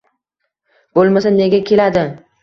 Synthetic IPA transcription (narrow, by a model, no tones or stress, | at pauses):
b̥olˠmasanːe̞ɡʲakʲʰe̞lad̪ɪ